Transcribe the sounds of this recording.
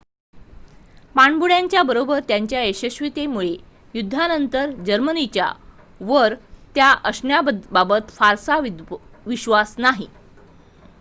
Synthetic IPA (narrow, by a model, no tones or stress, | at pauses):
paɳbuɽjaɲt͡ɕjabəɾobəɾt̪jaɲt͡ɕjaeɕəɕʋit̪emuɭe | jud̪ʱːanənt̪əɾd͡ʑəɾmənit͡ɕja̰ | ʋəɾt̪jaʔəsnjababət̪faɾsaʋʋiɕʋasnaɦi